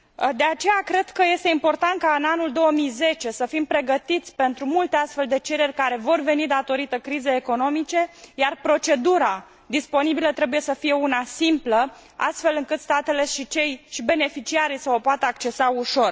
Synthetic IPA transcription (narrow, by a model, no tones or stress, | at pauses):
d̪e̞at͡ʃe̞jakɾe̞d̪kəje̞st̪e̞impo̞rt̪ant̪̚kaɨnanuld̪o̞wəmijze̞t͡ʃe̞səfimpɾe̞ɡət̪it̪sʲpe̞nt̪ɾumult̪east̪fe̞ld̪e̞t͡ʃe̞ɾe̞rʲkaɾe̞vo̞rve̞nid̪at̪o̞ɾit̪əkɾizeeko̞no̞mit͡ʃe̞jarpɾo̞t͡ʃe̞d̪uɾa | d̪ispo̞nibilət̪ɾe̞buje̞səfije̞unasimplə | a̰st̪fe̞lɨŋkɨt̪st̪at̪e̞le̞ʃit͡ʃe̞jʃibe̞ne̞fit͡ʃiaɾijsəopoat̪əakt͡ʃe̞sauʃo̞r